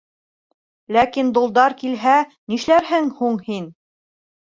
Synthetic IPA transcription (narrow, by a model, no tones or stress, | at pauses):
lækind̪ulˠd̪ɑɾkilɦæniʃlæɾɦɘŋhuɴhin